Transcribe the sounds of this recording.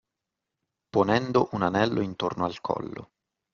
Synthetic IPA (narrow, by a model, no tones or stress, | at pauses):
ponɛnd̪oʔunanɛlːoint̪o̰rnoalkʰɔ̰lːo̰